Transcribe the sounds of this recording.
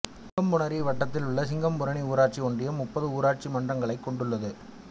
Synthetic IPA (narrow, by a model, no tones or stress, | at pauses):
sɪŋɡɐmbʊnɐɾiʋɐʈːɐt̪ːɪlʊɭːɐsɪŋɡɐmpʊɾɐɳiuːɾaːʈ̚t͡ʃiɔɳdrɪjɐmʊpːɐðɯuːɾaːʈ̚t͡ʃimɐndrɐŋɡɐɭɐɪkːɔɳɖɯɭːɐðɯ